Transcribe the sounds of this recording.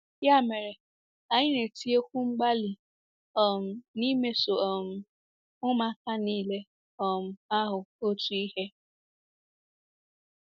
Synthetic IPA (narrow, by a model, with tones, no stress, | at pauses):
ja˦˨me˨ɾe˨ | a˨ɲɪ˦ne˨ti˦e˦kʷu˦ŋ͡m̩˦ɡ͡ba˦li˨ | ɔ˨m̩˨ni˦me˦so˨ɔ˨m̩˨ | ʊ˦ma˦ka˦niː˦le˦ | ɔ˨m̩˨a˦ɦʊ˨o˦tu˨i˦he˦